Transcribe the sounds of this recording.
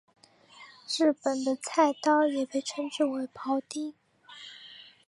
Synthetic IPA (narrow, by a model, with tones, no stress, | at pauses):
ɻɻ̩˥˩pə˨˩nd̪ə˦t͡sʰa˥˩ɪt̪ɑ˥ʊjɛ˨˩pe˥˩ɪʈ͡ʂʰə˥ŋʈ͡ʂɻ̩˥˩we˧˥ɪpʰɑ˧˥ʊt̪i˥